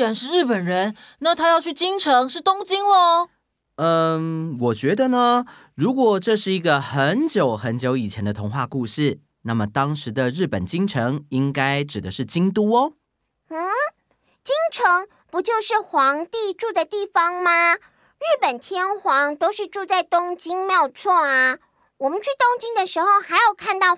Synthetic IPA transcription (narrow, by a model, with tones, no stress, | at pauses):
a˧˥nʂɻ̩˥˧ɻɻ̩˥˩pə˨˩nɻə˧˦˥nna˥˩t̪ʰa˥jɑ˥˧ʊt͡ɕʰy˥˩t͡ɕi˥ŋʈ͡ʂʰɤ˧˦˥ŋʂɻ̩˥˩t̪ʊ˥ŋt͡ɕi˥ŋɔ˧ | ə˧wɔ˨˩t͡ɕɥɛ˧˥d̪ə˧nə˦ | ɻu˧˥kwɔ˨˩ʈ͡ʂɤ˥˧ʂɻ̩˥˩i˧˥ɡə˧xə˧˦nt͡ɕjo˨˩ʊxə˧˦˥nt͡ɕjo˧˥ʊi˨˩t͡ɕʰjɛ˧˦nd̪ə˧t̪ʰʊ˧˥ŋxwa˥˧ku˥˧ʂɻ̩˥˩ | na˥˩mə˩t̪ɑ˥ŋʂɻ̩˧˦d̪ə˧ɻ̩˥˩pə˨˩nt͡ɕi˥ŋʈ͡ʂʰɤ˧˦ŋi˦ŋka˥ɪʈ͡ʂɻ̩˨˩d̪ə˦ʂɻ̩˥˩t͡ɕi˥ŋt̪̬u˥ɔ˦ | n̩˥˩ | t͡ɕi˥ŋʈ͡ʂʰɤ˧˥ŋ | pu˨˥t͡ɕjo˥˧ʊʂɻ̩˥˩xwɑ˧˥ŋt̪i˥˧ʈ͡ʂu˥˩d̪ə˩t̪i˥˩fɑ˧˥ŋma˧ | ɻ̩˥˩pə˨˩nt̪ʰjɛ˥nxwɑ˧˥ŋt̪o˥ʊʂɻ̩˥˧ʈ͡ʂu˥˧t͡sa˥˩ɪt̪ʊ˥ŋt͡ɕi˥ŋmjɑ˥˨˧ʊt͡sʰwɔ˥˩a˩ | wɔ˨˩mə˨nt͡ɕʰy˥˩t̪ʊ˥ŋt͡ɕi˥ŋd̪ə˨ʂɻ̩˧˥xo˥˧ʊxa˧˥ɪjo˨˩ʊkʰa˥˧nt̪ɑ˥˩ʊ